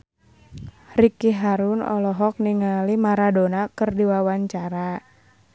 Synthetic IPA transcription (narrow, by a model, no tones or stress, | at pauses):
rikiɦaɾunɔ̰lɔɦɔk̚niŋalimaɾadonakɨrdiwawaɲt͡ʃaɾa